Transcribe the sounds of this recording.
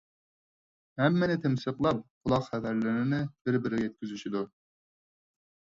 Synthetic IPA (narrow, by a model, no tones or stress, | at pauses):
hɛmːɪnɪt̪ʰɪmsəqlˠɑp̚qʰʊlˠɑqχæd̪æɾlɪnɪnɪb̥ɪɾbɪɾjɛt̪̚ʲkʲyzyʃid̪u